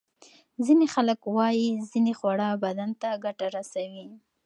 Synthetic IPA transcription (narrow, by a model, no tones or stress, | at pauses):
zinexaləkwɑjizinexwaɽɑbad̪ant̪aɡaʈaɾasawi